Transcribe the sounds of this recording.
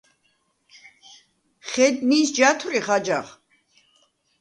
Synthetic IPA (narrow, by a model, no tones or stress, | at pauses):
χɛd̪nisd͡ʒat̪ʰwɾiχad͡ʒaχ